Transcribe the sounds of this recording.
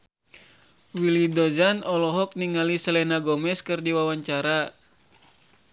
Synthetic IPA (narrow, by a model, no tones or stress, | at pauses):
wilidɔzanɔlɔɦɔk̚niŋalisəlɛnaɡɔmɛskɨrdiwawaɲt͡ʃaɾa